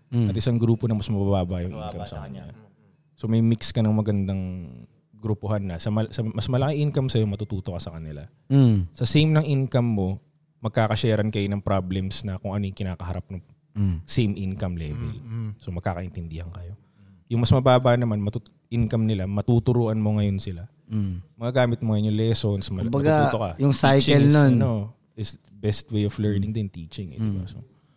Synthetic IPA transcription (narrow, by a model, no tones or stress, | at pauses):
ɐt̪ʔɪsaŋɡɾuːponɐŋmɐsmɐbbaːbɐʔjʊŋʔḭnkɐmsɐ̰kɐ̰ɲa̰ | so̞mɐjmikskɐnɐŋmɐɡɐnd̪aŋ | ɡɾupohanːɐsɐmɐsɐmɐsmɐlɐkɪʔinkɐmsɐjomɐt̪ut̪uːt̪okɐsɐkɐnɪla | sɐsɛjmnɐŋʔinkɐmːo̞ | mɐɡ̚kaːkɐʃɛːɾɐnkɐjonɐŋpɾablɛmsnɐkoŋʔɐnojʊŋkɪnaːkɐɦɐɾap̚nɐŋ | sejmʔɪnkɐmlɛːvɛlsomɐɡ̚kaːkɐʔɪnt̪ɪnd̪ɪhɐnkɐjo̞ | jʊŋmɐsmɐbaːbaʔnɐmanmɐt̪u | ʔɪnkɐmnɪlamɐt̪ut̪ʊɾuːʔɐnmo̞ŋɐjo̞nsɪla | mɐɡɐɡaːmɪt̪̚moŋɐjo̞njʊŋlɛːsonsmɐbɐɡ̪at̪uːt̪okɐjʊŋsajt͡ʃɛlnonno | ɪs | bɛst̪wejoflɛɹnɪŋd̪ɪnt̪iːt͡ʃɪŋɛ̰dɪbaso̰